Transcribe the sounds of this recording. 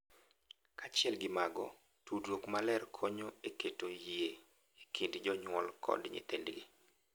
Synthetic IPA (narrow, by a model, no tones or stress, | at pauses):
kat͡ʃɪɛlɡɪmaɡɔ | tudwokmalɛrkʰoɲoeketoje | ekʰindd͡ʒɔɲwɔlkʰɔ̰dɲɪ̰t̪endɡḭ